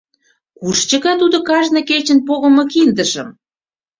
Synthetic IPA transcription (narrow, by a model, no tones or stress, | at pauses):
kuʃt͡ɕə̆ɣɑt̪ud̪okɑʒnɤ̆ket͡ɕə̆npoɣə̆mɤ̆kind̪əʃəm